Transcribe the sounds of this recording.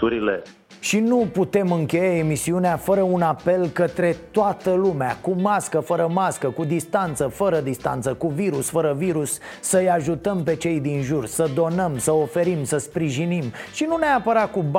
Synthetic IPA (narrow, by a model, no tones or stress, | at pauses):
uɾile | ʃinuput̪e̞mɨŋkʲe̞jae̞misiuneafəɾəunape̞lkət̪ɾe̞t̪oat̪əlumeakumaskəfəɾəmaskəkud̪ist̪ant̪səfəɾəd̪ist̪a̰nt̪səkuviɾusfəɾəviɾusːəjaʒut̪əmpe̞t͡ʃe̞jd̪inʒursəd̪o̞nəmsəofe̞ɾimsəspɾiʒinimʃinuneapəɾat̪̚kub